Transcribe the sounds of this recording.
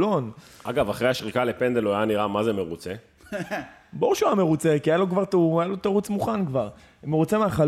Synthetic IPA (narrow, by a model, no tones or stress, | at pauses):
lo̞nʔa̰ɡavaχʁeaʃʁikale̞pend̪eloajaniʁamazeme̞ʁut͡se | bouʃuajame̞ʁut͡se̞kiajalokvaʁt̪uajalo̞t̪aʁut͡smuχankvaʁ | meʁut͡semeaχa